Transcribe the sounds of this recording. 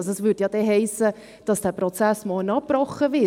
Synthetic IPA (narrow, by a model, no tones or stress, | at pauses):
soɛsvʏdjɑːd̥ɛɦɛɪsə | d̥ɑsd̥æːpɾɔt͡sæsmoːlnɑpb̥ɾɔχːəvɪ